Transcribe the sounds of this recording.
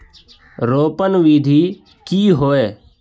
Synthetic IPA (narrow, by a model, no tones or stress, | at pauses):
ɾoːpənʋiːd̪ʱiː | kiːɦoːeː